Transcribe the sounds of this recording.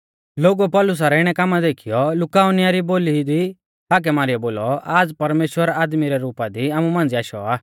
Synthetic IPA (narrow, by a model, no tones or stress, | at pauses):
loːɡupɔlʊs̬aɾɛɪɽ̃ɛkaːmad̪eːkʰijɔlʊkaːʊnɪjaɾiboːlid̪i | aːk̬ɛmaːɾijɛboːlɔaːd͡zpɐɾmeːʃwəɾaːd̪miɾɛɾuːpad̪iaːmumãːnd͡ziaːʃɔ̰aː